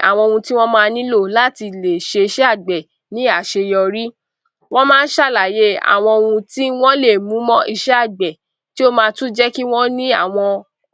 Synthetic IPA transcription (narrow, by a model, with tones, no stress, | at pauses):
a̰˨w̃ɔ̃˧o˧wũ˧ti˦w̃ɔ̃˦mãː˦˧nĩ˦lo˦˨la˦ti˧le˨ʃe˧i˧ʃɛ˦a˦˨ɡ͡bɛ˨ | nĩ˦a˦˨ʃe˧jɔ˧ɾi˦ | w̃ɔ̃˦mãː˦˧n̩˦ʃa˦˨la˨je˦a̰˨w̃ɔ̃˧o˧wũ˧ti˦w̃ɔ̃˦le˦˨mũ˨˦mɔ̃˦ʔi˧ʃɛ˦a˦˨ɡ͡bɛ˨ | ti˦o˦mãː˧tũ˦d͡ʒɛ˦ki˦w̃ɔ̃˦nĩ˦a̰˦˨w̃ɔ̃˧